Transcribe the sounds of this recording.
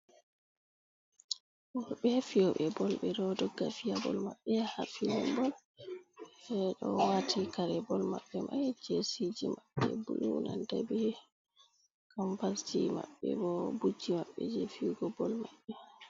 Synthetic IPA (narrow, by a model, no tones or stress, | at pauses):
wɔɾɓɛfiɔɓɛbɔlɓɛdɔdɔɡːafijabɔlmaɓːɛhafilɔmbɔl | ɛɗɔwatʰikaɾɛbɔlmaɓːɛmʔajd͡ʒesid͡ʒimaɓːɛbulunandabɛ | kampastima̰ɓːɛ̰bɔbud͡ʒːimaɓːɛd͡ʒɛfiuɡɔbɔlmaɓːɛ